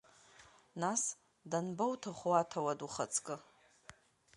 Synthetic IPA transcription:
nas | danbowtʰaχʷuatʰawaduχat͡sʰʼkʼɨ

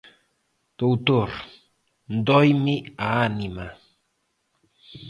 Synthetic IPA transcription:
t̪out̪oɾ | nd̪ojmɪaːnɪma

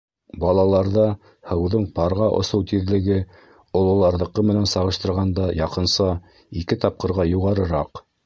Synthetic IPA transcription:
bɑlˠɑlˠɑɾðɑ | hɤ̆wðɤɴpɑɾʁɑʔŏ̰sɤwt̪iðlɘ̆ɡɘ | ŏlˠɤ̆lˠɑɾðɤ̆qːɤmɘ̆nænsɑʁɤ̆ʃt̪ɤ̆ɾʁɑnd̪ɑjɑqɤ̆nsɑ | ikɘt̪ɑp̚qɤ̆ɾʁɑjuʁɑɾɤ̆ɾɑq

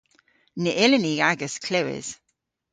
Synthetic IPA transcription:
nɪʔɪləniaɡəskʰl̥ɪwɪ̰z̥

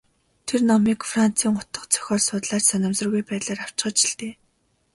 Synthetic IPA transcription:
t̪ʰernɔmiːkfran̥t͡sʰiːŋʊt̪ə̆qt͡sʰœ̥xʲɔːrsʊːt̪ɮaːt͡ɕsœnʲɞ̆msə̆rɣujpæːt̪ɮaːraw̥t͡ɕχə̆t͡ɕi̥ɬt̪eː

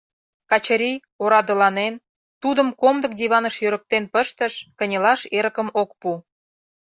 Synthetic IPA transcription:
kɑt͡ɕəɾʲi | oɾɑd̪əlɑnen | t̪ud̪əmkomd̪ə̆k̚d̪iβɑnəʃjøɾə̆k̚t̪enpəʃt̪ə̆ʃkə̆nʲəlɑʃeɾə̆kə̆mok̚pu

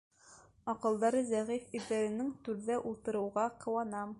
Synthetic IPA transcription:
ɒqɤ̆lˠd̪ɑɾɤzæʁifiɾðæɾɘ̆nɘŋt̪ʉɾðæʔulˠt̪ɤ̆ɾɤ̆wʁɑqɤ̆wɑnɑm

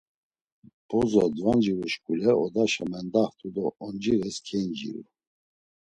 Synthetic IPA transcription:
b̥ɔzɔd̪vand͡ʒiɾuʃkʼulɛɔd̪aʃamɛnd̪aht̪ʰʼud̪ɔɔnd͡ʒiɾɛskʰɛnd͡ʒḭɾṵ

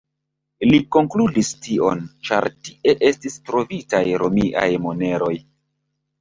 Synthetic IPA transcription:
liko̞ŋkludistio̞̰nt͡ʃa̰ɾtiʔe̞ʔe̞stistɾo̞vitajɾomiʔa̰jmo̞ne̞ɾo̞j

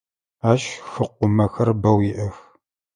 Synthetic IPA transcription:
aːɕxɨq̚ʷʊmɐxɐrbɐwjɪʔɐx

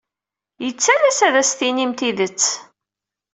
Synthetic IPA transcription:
jət͡sːælæsæðæsθinimt̪iðət͡sː

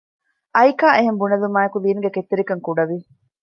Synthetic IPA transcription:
ʔɐjkaːʔeɦembunɐlumaːjɐkuliːnuɡeket̪ːeɾikɐŋkuɖɐʋi

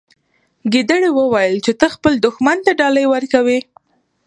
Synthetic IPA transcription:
ɡid̪əɽewəwajəlt͡ʃet̪əxpəld̪ʊxmant̪aɖɑləjwəɾkawi

